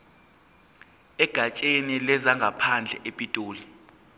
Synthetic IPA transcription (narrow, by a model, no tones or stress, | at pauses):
ɛɡ̥ʱat͡ʃʼenilɛzaŋɡʱapʰand͡ɮʱɛ̰ʔepʼitʼoːli